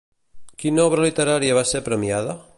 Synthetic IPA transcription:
kinɔβɾalit̪eɾaɾjaβasepɾemjaða

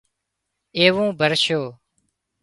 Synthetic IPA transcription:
eːʋũːbʱəɾʃoː

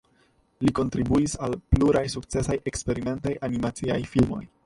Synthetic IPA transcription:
liko̞ntɾibuisalpluɾajsuk̚t͡se̞saje̞kspe̞ɾime̞ntajʔanimat͡siajfilmo̞̰j

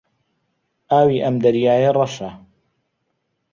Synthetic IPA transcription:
ʔaːwiːʔɐmd̪ɐɾjaːjerˤɑʃa

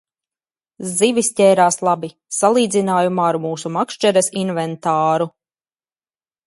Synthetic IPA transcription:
zivʲisʲcʲɛːɾaːslˠabi | salˠiːd̪zinaːjumaːɾmuːsumakʃt͡ʃɛɾɛsinvɛnt̪aːɾu

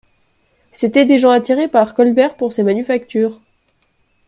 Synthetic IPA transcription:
set̪ɛd̪eʒɑ̃at̪iʁepaʁkɔlbɛʁpuʁsemanyfak̚t̪yːʁ

